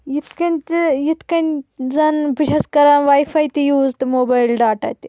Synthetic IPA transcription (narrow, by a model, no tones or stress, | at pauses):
jit̪ʰkɐnʲt̪jit̪kɐnʲzɐnpiʃɐskɐɾanʋaːjfaːjt̪ijuːzt̪ɨmoːbaːjlɖaːʈɐ̰ːt̪ʲi